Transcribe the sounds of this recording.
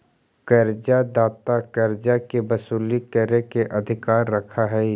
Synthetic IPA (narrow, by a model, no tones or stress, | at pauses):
kɐɾd͡ʒad̪aːt̪akɐɾd͡ʒakebɐsuːlikəɾekeʔɐd̪ʱɪkaːɾːɐkʰaɦɛ